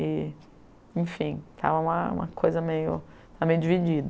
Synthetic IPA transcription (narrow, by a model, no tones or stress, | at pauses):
ɪ | ẽj̃fĩt̪ʰa̰vɐũmɐṵ̃mɐkʰojzɐmejʊ | t̪avɐmejʊd͡ʒivid͡ʒid̪ɐ